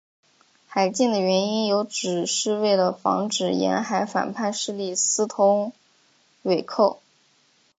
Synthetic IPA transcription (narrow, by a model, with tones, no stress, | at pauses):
xa˨˩ɪt͡ɕi˥˩ŋd̪ə˩ɥɛ˧˥ni˥njo˧˥ʊʈ͡ʂɻ̩˨˩ʂɻ̩˥˧we˥˩ɪlə˩fɑ̰˧˥ŋʈ͡ʂɻ̩˨˩jɛ̰˧˥nxa˧˥ɪfa̰˨˩npʰa˥˧nʂɻ̩˥˧li˥˩sɹ̩˥t̪ʰʊ˧˥ŋ | we˨˩ɪkʰo˥˩ʊ